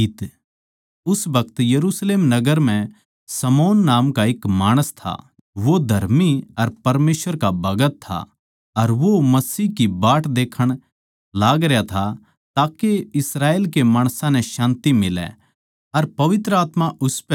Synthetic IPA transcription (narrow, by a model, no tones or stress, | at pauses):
t̪ | ʊsbɐkət̪jɐɾuːsleːmnɐɡəɾm̤ɛ̃ | sɐmoːnːaːmkaɪkmaːɽ̃əst̪ʰa̰ | ʋod̪ʱɐɾmiɐɾpɐɾmeːsʋəɾkabɐɡət̪ʰːa̰ | ɐɾʋomɐsiːɦkibaːʈd̪eːkʰəɽ̃ | laːɡɾɛjat̪ʰa | t̪aːkeɪsɾaːeːlkemaːɽ̃sãnɛ̃ʃãːnt̪imɪlɛ̰ | ɐɾpɐʋɪt̪ɾəaːt̪maʔʊspɛ